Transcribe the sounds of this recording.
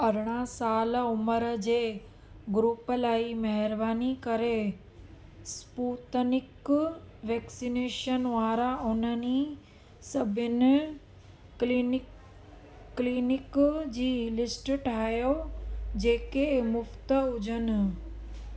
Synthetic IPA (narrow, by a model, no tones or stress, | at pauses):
ɐɾɽ̃asaːlʊməɾəd͡ʑeː | ɡɾuːpəlaːimɐɦɪɾbaːnikɐɾe | spuːt̪ənɪk | ʋɛːksineːʃənʋaːɾaʊnəni | sɐbʱənɪ | liːnɪkd͡ʑiːlɪsʈʈʰaːɦjod͡ʑeːkemʊft̪əʊd͡ʑʱənɪ̆